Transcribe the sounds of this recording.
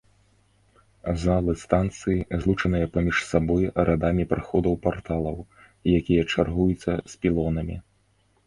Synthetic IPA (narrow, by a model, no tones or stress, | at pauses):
zalˠɨst̪ant̪sɨjizlˠut͡ʂɐnɨjɐpamʲiʂsabɔjɾʔad̪amʲipɾɨxɔd̪ɐwpart̪alˠɐw | jakʲijɐt͡ʂarɣujut̪sʲːɐsʲpʲilˠɔnɐmʲḭ